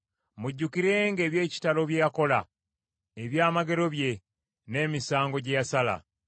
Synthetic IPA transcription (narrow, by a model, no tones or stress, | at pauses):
muɟːukiɾe̞ŋɡe̞ːβje̞ːci̥talo̞βje̞jako̞la | eβjaːmaɡe̞ɾo̞βje̞ | ne̞ːmisaːŋɡo̞ɟejasala̰